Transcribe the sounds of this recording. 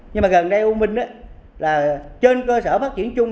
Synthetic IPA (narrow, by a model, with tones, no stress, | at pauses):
ɲɨ˧ŋmaː˨˩ɣə˨˩nɗə˧jʔu˧mï˨˩ŋ̟ɗaː˨˦laː˨˩t͡ɕe˧nkəː˧səː˧˩faː˦˥t̚t͡ɕi˧˩ənt͡ɕʊ˧ŋ͡m